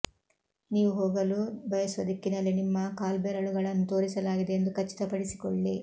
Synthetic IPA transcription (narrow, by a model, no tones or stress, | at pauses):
niːʋuɦoːɡɐlubɐjɐsʋɐd̪ikːinɐlinimːɐkaːlbɛɾɐɭuɡɐɭɐnːut̪o̞ːɾisɐlaːɡid̪eend̪ukɐt͡ʃːi̥t̪ɐpɐɽisi̥kɔɭːi